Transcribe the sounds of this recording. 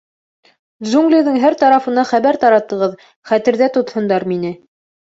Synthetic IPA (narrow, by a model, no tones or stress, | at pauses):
zuŋɡlʲiðɤŋɦæɾt̪ɑɾɑfɤ̆nɑχæβæɾt̪ɑɾɑt̪ɤ̆ʁɤð | χæt̪ɘ̆ɾðæt̪ŏt̪hŏnd̪ɑɾminɘ